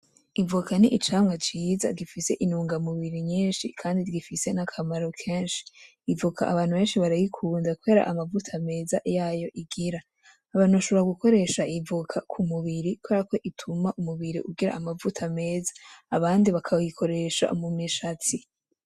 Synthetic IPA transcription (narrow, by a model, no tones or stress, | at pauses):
ivukʰaniʔit͡ʃaːmŋat͡ʃiːza̰ɡifise̞ʔinuːŋɡamuβiɾiɲiːnʃḭkʰaːndiɾɡifise̞nakʰamaɾokʰeːnʃi̥ː | vuka̰ʔaβaːn̥huβe̞ːnʃiβaɾajikʰuːndakue̞ːɾa̰ʔamavutʰame̞ːzajaːjo̞ʔiɡiɾaː | βaːn̥uβaʃo̞βeɾaɡuko̞ɾe̞ʃaivukʰakʰumuβiɾikweɾako̞ʔitʰumaʔumuβiɾḭʔuɡiɾa̰amavutʰame̞ːzaːβaːndiβakʰajikʰo̞ɾe̞ʃa̰ʔumumɲiʃat͡si